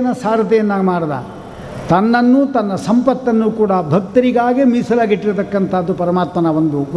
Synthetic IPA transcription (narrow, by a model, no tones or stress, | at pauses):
ɐnɐsaːɾɐt̪ɛjɐnːaːmaːɽd̪ɐ̰ | t̪ɐnːɐnːuːt̪ɐnːɐsɐmpɐt̪ːɐnːukuːɽɐbʱɐk̚t̪ɐɾiɡaːɡimisɐlɐɡeʈːiɾt̪ɐkːɐnt̪ʰaːd̪ːupɐɾɐmaːt̪mɐnɐʋond̪u